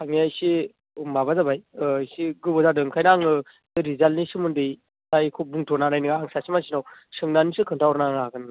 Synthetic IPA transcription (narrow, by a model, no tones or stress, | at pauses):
tʰaŋniajsi | umabazabajjsiɡɯbɔzadɯŋkʰajnaŋɯ | ɯɾizalnisɯmɯndɯj | tajkʰobuŋtʰɔnanajnɯɡaaŋsasimasinawsɯŋnanisɯkʰɯŋtʰawɾnaŋaɡɯn